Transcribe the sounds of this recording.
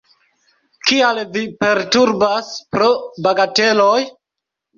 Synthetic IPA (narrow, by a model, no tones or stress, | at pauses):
kialvipe̞ɾtuɾbaspɾobaɡate̞loj